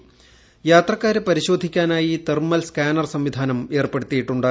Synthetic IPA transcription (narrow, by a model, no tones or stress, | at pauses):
jaːt̪rɐkːaːɾepɐɾiɕo̞ːd̪ʱikʲːaːnaːjit̪ermɐlskaːnɐrsɐmʋid̪ʱaːnɐme̞ːrpeɽut̪ːijiʈːuɳɖaː